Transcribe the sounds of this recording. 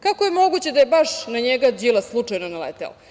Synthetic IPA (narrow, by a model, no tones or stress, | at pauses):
kakojemo̞ɡut͡ɕed̪ajebaʂnaɲeɡad͡ʑilˠaslˠut͡ʂajnonalḛt̪ḛlo̰